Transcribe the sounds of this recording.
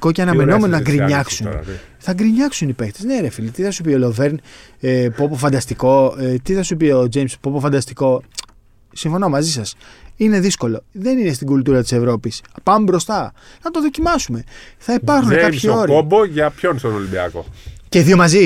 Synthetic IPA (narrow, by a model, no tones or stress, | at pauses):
koceɐnɐme̞nome̞noɐɡɾiɲɐksunθɐɡɾiɲɐksunipe̞kt̪ezneɾefilit̪iθɐsupiolo̞veɾnepopofɐnd̪ɐst̪iko̞t̪iθɐsupio̞d͡ʒejmspobofɐnd̪ɐst̪iko̞ | siɱfo̞no̞mɐzisɐsine̞ðisko̞lo̞ðe̞nine̞st̪iɡult̪uɾɐt̪i̥se̞vɾo̞pispɐmbɾo̞st̪ɐnɐt̪o̞ðo̞cimɐsume̞θɐipɐɾxunekɐpçio̞ɾoboʝɐpçonst̪oɾolibiɐ̰ko̰ce̞ðio̞mɐzi